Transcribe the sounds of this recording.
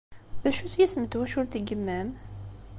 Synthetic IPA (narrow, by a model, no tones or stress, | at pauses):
ðæʃuθjæsmət̪ːwæʃʊɾt̪iɡəmːæm